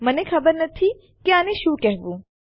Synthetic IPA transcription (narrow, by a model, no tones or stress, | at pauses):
mɐnẽkʰɐbəɾnɐt̪ʰiː | kiaːnẽʃuːkɛɦʋuː